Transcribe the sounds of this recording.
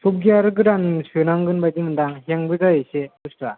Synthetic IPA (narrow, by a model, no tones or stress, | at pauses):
sup̚ɡiaɾɯɡɯɾansɯnaŋɡɯnbadimɯndaŋɦeŋbɯzajeseustɾa